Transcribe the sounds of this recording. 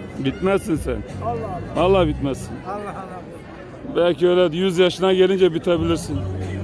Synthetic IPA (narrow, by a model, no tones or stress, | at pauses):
bit̪mæzsinsɛ̰nvɑlˠːaːhbit̪mæzsin | bælʲciøjlɛd̪jyzjɑʃɯnaɟelʲind͡ʒɛbit̪ʰebilʲiɾsin